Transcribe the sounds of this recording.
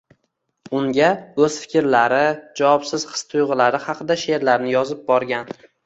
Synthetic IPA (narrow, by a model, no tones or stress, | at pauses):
ʊŋɡʲaɵz̥fɪ̥kʲɪɾlaɾɪd͡ʒawɒpsɪz̥χɨ̥st̪ʰʊjʁɨlaɾɪhɑqʰɨd̪aʃe̞ɾlaɾnɪjɒzɪp̚bɒɾɡʲan